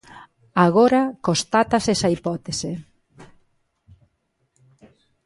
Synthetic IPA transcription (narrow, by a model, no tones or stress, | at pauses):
aɣoɾakost̪at̪asesɐipɔt̪esɪ